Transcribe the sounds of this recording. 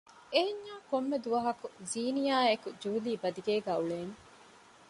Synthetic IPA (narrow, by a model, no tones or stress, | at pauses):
eeɲːaːkomːed̪uʋɐɦɐkuziːnijaːekud͡ʒuːliːbɐd̪iɡeːɡæːuɭeːŋ